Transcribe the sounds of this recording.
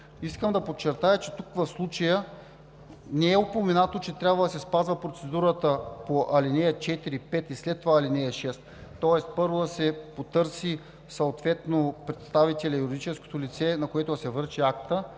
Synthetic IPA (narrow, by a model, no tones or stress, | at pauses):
iskəmd̪ɐpot͡ʃːɛɾt̪ajət͡ʃɛt̪ukvɐfslˠut͡ʃɐjə | nɛɛopomɛnat̪ot͡ʃɛt̪ɾʲjabvəd̪ɐsɛspazvəpɾot̪sɛd̪uɾət̪əpoʔɐlinɛət͡ʃɛt̪iɾipɛt̪islɛt̪ːovaːlinɛɛʃɛst̪t̪ːɔɛst̪̚pɤɾvod̪ɐsɛpot̪ɤɾsi | sɐot̪vɛt̪nopɾɛt̪st̪avit̪ɛlʲɐjuɾid̪it͡ʃɛsko̥t̪olʲit̪sɛnɐkoɛt̪oɐsɛvɤɾʃiakt̪ə